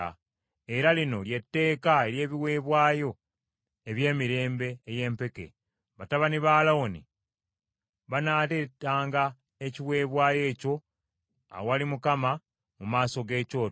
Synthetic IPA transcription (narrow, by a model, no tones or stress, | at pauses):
a | e̞ɾalino̞lje̞tːe̞ːkae̞ɾje̞ːβiwe̞ːβwaːjo̞ | e̞βje̞ːmiɾe̞ːmbe̞ːje̞ːmpe̞ke̞̰ | βataβaniβaːlaoni | βanaːtetaːŋɡa | eciwe̞ːβwaːje̞ːco̞ | a̰wowalimukama | mumaːso̞ɡe̞ːco̞ː